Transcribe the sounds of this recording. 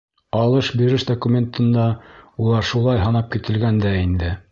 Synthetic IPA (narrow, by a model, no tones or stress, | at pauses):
ɑlˠɤʃbiɾɘʃd̪okumʲent̪ɤ̆nd̪ɑulˠɑɾʃulˠɑjɦɑnɑp̚kit̪ɘ̆lɡænd̪æind̪ɘ